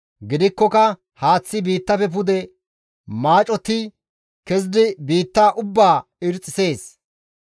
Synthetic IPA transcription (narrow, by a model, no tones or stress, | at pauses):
ɡɪd̪ɪkːɔkɐ | haːt͡sːɪbiːt̪ːɐfɛp̬ʊd̪ɛ | maːt͡ʃʼɔt̪ːɪ | kɛs̬d̪ɪbiːt̪ːaːʔʊbːaː | ɪɾt͡sʼːɪse̞ːs